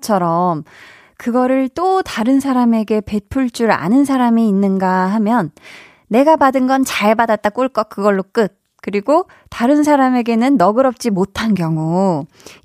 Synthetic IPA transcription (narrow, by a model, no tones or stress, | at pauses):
t͡ɕʰʌɾʌm | kɯɡʌɾɯɭt͈otaɾɯnsʰaɾame̞ɡe̞pe̞pʰuɭt͡ɕ͈uɾa̰nɯnsʰaɾamiːnːɯnɡaɦamjʌnː | e̞ɡapadɯnɡʌnt͡ɕaɭbadat̚t͈ak͈uɭk͈ʌk̚k͈ɯɡʌɭːok͈ɯt̚ | kɯɾiɡo | taɾɯns̬ʰaɾame̞ɡe̞nɯnːʌɡɯɾʌp̚t͡ɕ͈imotʰankjʌŋu